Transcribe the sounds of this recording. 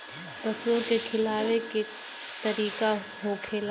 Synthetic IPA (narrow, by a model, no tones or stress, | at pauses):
pɐsõkekʰɪlaːʋeke | t̪ɐɾiːka | ɦokʰeːl